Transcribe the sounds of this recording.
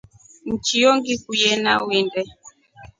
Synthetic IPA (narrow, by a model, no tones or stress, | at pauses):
n̩t͡ʃijɔŋɡikujɛnawindɛ